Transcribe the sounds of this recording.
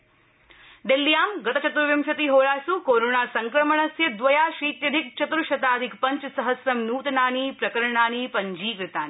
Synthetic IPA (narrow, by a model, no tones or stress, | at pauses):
ɖ̪elːijaːmɡɐt̪ɐt͡ʃɐt̪ɾuʋjɐmʃɐt̪iɦoːɭaːsukoːɾoːnaːsɐŋkɾɐməɳɐsjɐd̪ʋɐjaːʃiːt̪jɐd̪ʱik̚t͡ʃɐt̪ɾuʃɐt̪aːd̪ʱɪkpɐɲt͡ʃsɐɦəsɾɐmnuːt̪naːniːpɾɐkəɾɳaːniːpɐɲd͡ʒiːkɾɪt̪aːni